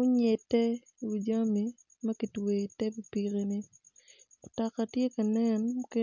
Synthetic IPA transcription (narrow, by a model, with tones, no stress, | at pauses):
ʊ˦ɲe˨tːɛ˦ | wu˨d͡ʒa˦mi˨ | mɐ˦ki˨twe˨tɛ˦pi˨pi˨ɾi˦ni˦ | ʊ˨ta˨ka˨tje˦ka˨nɛ˦nʊke˦